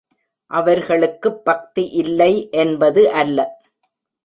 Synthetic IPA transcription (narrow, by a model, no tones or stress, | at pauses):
ʔɐʋɐɾɣɐɭɯkːɯbːɐk̚t̪iʔɪlːɐɪʔɛnbɐðɯʔɐlːɐ